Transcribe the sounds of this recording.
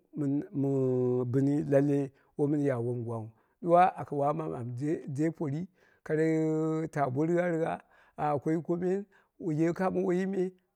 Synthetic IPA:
mi˨nmu˨bɨ˨ni˦la˦lːe˦ | wo˦mi˦n˦ja˨wo˦m˨ɡwa˨u˨ | ɗu˦wa˦ʔa˨ka˨wa˦ma˨ma˨m˨e˦de˦po˨ɾi˦ | ka˨ɾa˦ta˨bʷo˦ɾi˦ɡa˦ɾi˦ɡa˦ | a˨kʷo˦i˦ko˦me˦n | wu˨je˦ka˦mu˦wo˦ji˦me˦

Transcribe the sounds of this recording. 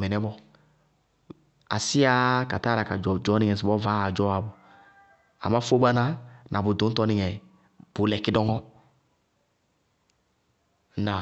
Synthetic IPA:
mɛ˨nɛ˦bɔ˦ | a̰˨si˦a˦ka˨ta˦ɾa˨ka˨d͡ʒd͡ʒɔ˨˦ni˦ŋɛ˨s̬i˨bɔ˦va˨˦˨d͡ʒɔ˦a˨bu˨ | a̰˨ma˦fo˦ba˦na˦nʔa˨bu˨du˨˦n̩˦tɔ˦ni˨ŋɛ˨ | b̥u˨˦lɛ˨ki˦dɔ˦ŋɔ˦ | na˨

